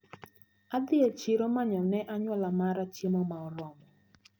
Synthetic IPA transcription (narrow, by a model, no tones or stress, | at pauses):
ad̪ɪɛt͡ʃɪɾomaɲɔnɛʔaɲwɔlamaɾat͡ʃimɔmaɔɾwɔmɔ